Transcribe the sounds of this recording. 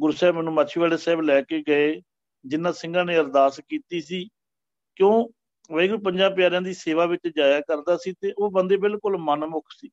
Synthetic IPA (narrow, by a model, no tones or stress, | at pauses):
ɡʊɾsɛːbmɛːnũːmat͡ʃʰiːʋaːleːsɛːblɛːkeːɡəeː | d͡ʒɪnːãːsɪ̃ŋɡãːneːəɾd̪aːskiːt̪iːsiː | kjõː | ʋəɡəɾp̬əɲd͡ʒaːpɪjaːɾɪjãːd̪iːseːʋaːʋɪt͡ʃd͡ʒaːjaːkəɾd̪aːsiːt̪eːʔoːbənd̪eːbɪlkʊlmənmʊkʰsiː